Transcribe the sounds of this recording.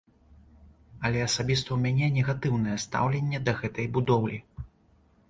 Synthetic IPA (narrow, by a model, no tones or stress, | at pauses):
ɐlʲɛɐsabʲist̪ɐwmʲanʲɛnʲɛɣat̪ɨwnɨjɛst̪a̰wlʲenʲːɛd̪ɐɣɛt̪ɐjbud̪ɔwlʲi